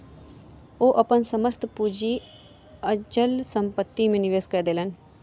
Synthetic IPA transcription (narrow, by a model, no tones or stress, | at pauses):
oʔɐpənsɐməst̪pud͡ʒi | əd͡ʒəlsəmpət̪ːimẽnɪʋeːskɐɾd̪eːlɐn